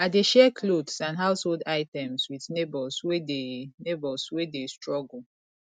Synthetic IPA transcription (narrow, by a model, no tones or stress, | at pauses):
adeʃɛkʰlodsãnɦaʊsholdaɪtɛ̃mswiθnebɔswedenebɔswedestɹɔɡul̩